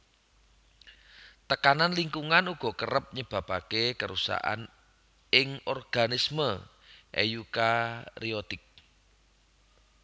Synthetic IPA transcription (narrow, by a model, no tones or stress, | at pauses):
t̪əkananliŋkuŋanuɡ̥ɔ̤kərəp̚ɲəb̥a̤b̥akekəɾusa̰ʔa̰n | ɪŋɔrɡ̥anismə | ʔḛjukariot̪ɪk̚